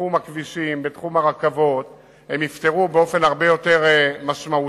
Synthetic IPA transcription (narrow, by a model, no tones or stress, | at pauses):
umakviʃimbet̪χumaʁakavo̞t | hemjift̪e̞ʁubeo̞fe̞nhaʁbe̞jo̞t̪eʁmaʃmau